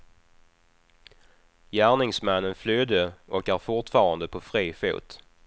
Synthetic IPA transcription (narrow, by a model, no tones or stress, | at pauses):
jæːɳɪŋsmɛnːənflyːd̪əʔɔkæːɾfʊʈfɑːɾand̪əpʰɔfɾiːfṵːt̪